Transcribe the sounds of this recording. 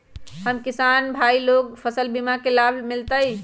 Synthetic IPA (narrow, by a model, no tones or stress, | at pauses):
həmkisanbʱailoɡpʰəsəlbimakelabʱmɪlt̪əi